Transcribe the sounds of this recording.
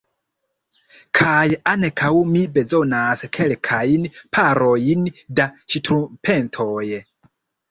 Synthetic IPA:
kʰajanekʰawmibe̞zo̞naskʰelkʰajnpʰaɾo̞jindat͡ʃitɾupʰentʰoːj

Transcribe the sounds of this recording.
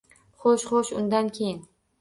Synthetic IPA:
χoʃχoʃʊnd̪ankʲʰejɪn

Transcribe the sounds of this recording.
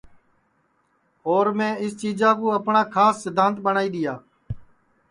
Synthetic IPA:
oːɾmẽːɪst͡ʃiːd͡ʒãːkũːəpɳaːkʰaːsːɪd̪ʱːãːnt̪̚ɓəɳaːiːɗ̪ɪjaː

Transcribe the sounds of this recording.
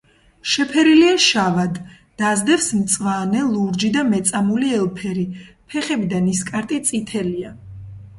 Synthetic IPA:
ʃɛpʰɛɾiliaʃavad̪ː | azd̪ɛfsmt̪sʼvanɛlˠuɾd͡ʒid̪amɛt̪sʼamuliɛlˠpʰɛɾipʰɛχɛbid̪aniskʼaɾt̪ʼit̪sʼit̪ʰɛlia

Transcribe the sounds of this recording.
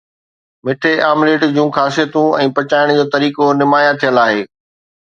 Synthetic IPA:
mɪʈʰeʔaːmleːʈd͡ʑũːxaːsijət̪ũɛ̃ːpɐt͡ɕaːɪɽ̃d͡ʑoːt̪ɐɾiːkonɪmaːjat̪ʰijəlaːɦeː

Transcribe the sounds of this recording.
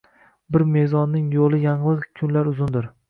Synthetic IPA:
bɪɾme̞zɒnːɪŋjolˠɪjaɴlˠɨzkʲʰʊnlaɾʊzʊnd̪ɪɾ

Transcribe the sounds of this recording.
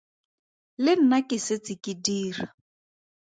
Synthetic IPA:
lɪn̩nakʼɪsɪt͡sʼɪkʼidiːra

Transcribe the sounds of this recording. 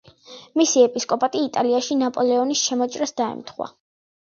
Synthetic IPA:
misiɛpʼiskʼɔpʼat̪ʼiːt̪ʼaliaʃinapʼɔlɛɔnisʃɛmɔt͡ʃʼɾɛsd̪aɛ̰mt̪ʰχwa̰

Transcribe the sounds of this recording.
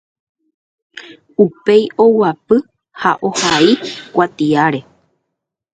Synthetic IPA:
upe̞jo̞wapɨ | haʔo̞haikʷat̪iaɾe̞

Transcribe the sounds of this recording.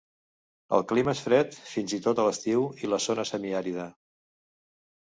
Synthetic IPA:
ə̰lˠkliməesfɾɛt̪finzit̪ot̪ələst̪iwiləzonəsəmiaɾiðə

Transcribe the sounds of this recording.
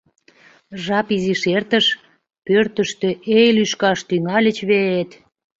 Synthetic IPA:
ʒɑpiziʃert̪əʃ | pørt̪əʃt̪øʔejlyʃkɑʃt̪yŋɑlʲət͡ɕβeet̪

